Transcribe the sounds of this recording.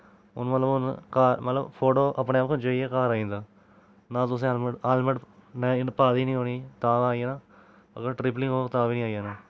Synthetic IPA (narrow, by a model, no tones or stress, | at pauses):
ʊ̰nmət̪ləbʊnkaːɾmət̪ləbpʰoːʈoːʔəpɳeːaːp̚kõːd͡ʒoieːkaːɾaːĩːnd̪aː | nãːt̪ʊs̬ẽaːlməɖaːlməɖnenpaːd̪iːnĩːɦoːniːt̪aːʋaːijeːnãː | ə̰kəʈɾɪplɪ̃ŋɡɦoːt̪aːʋiːnĩːaːjeːnaː